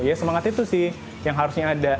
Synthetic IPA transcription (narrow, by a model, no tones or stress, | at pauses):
jasəmaŋat̪it̪usɪh | jaŋɦaɾusɲaːda